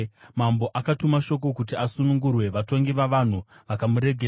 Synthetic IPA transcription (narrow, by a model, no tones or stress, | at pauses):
mambo̞ʔakatumaʃo̞k̬o̞kut̬iasunuŋɡurwe̞ʋato̞ŋɡiʋaʋan̤uʋakamuɾe̞ɡʱe